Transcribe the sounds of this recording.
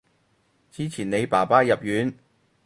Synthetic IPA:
t͡siː˥t͡sʰiː˨˩ne˨˧jpaː˨˩paː˥jɐ˨p̚jyː˨˥n

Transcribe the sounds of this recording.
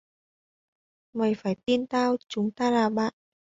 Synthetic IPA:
mə˨˩jfaː˧˩jt̪i˧nt̪aː˧wt͡ɕʊ˨˦ŋ͡mt̪aː˧laː˨˩ɓa̰ː˧˨nʔ

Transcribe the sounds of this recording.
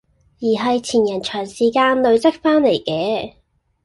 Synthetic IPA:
jiː˨˩ɦɐ˨jt͡sʰiː˨˩njɐ˨˩nt͡ʃʰœː˨˩ŋsiː˨˩kaː˧nlɵ˧ɥt͡sɐ˥k̚faː˥nle˨˩jkɛː˨˥

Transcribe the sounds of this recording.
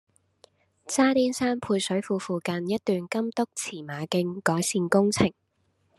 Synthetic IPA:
t͡saː˥t̪iː˥nsaː˥npʰuː˧jsɵ˨˥ɥfuː˧fuː˧kɐ˧njɐ˥t̚t̪yː˨˧nkɐ˥mt̪ʊ˥k̚t͡sʰiː˨˩maː˨˧kɪ˧ŋkɔː˨˥jsiː˧nkʊ˥ŋt͡sʰɪ˨˩ŋ

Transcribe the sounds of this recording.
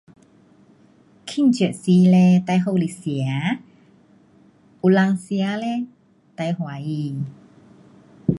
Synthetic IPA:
kʰi˥˨ŋt͡ɕsi˧lɛ˧t̪a˧jɦo˧˨li˧˨si˨a˨˦ | ʔu˧la˧ŋsja˧˦lɛ˧ | t̪a˧jhwa˨˦i˧

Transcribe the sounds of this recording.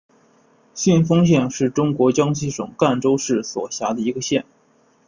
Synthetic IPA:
ɕy˥˩nfɤ˥ŋɕ̬jɛ˥˧nʂɻ̩˥˩ʈ͡ʂʊ˥ŋkwɔ˧˥t͡ɕjɑ˥ŋɕi˥˩ʂʊ̰˨˩ŋka˥˧nʈ͡ʂo˥ʊʂɻ̩˥˩swɔ̰˨˩ɕja˧˥d̪ə˧i˧˥ɡə˧ɕjɛ˥˩n

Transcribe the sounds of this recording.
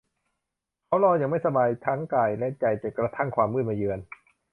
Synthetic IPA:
kʰa˦˥wlɔː˧jaː˨˩ŋma˥˩jsa˧baː˧jt̪ʰaː˦˥ŋkaː˨˩jlɛ˦˥t͡ɕa˧˩jt͡ɕa˨˩kɾa˧t̪ʰa˥˩ŋkʰwaː˧mːɯː˥˩n̚maː˧jɯː˧ən

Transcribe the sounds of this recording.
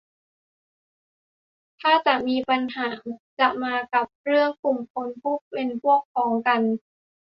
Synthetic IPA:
t̪ʰaː˥˩t͡ɕa˨˩ʔmiː˧pa˧nhaː˩˦t͡ɕa˨˩ʔmaː˧ka˨˩p̚ɾɯ˥˩əŋku˨˩mkʰo˧npʰu˦˥˩p̚pe˧npʰu˥˩əkʰːɔː˩˦ŋka˧n

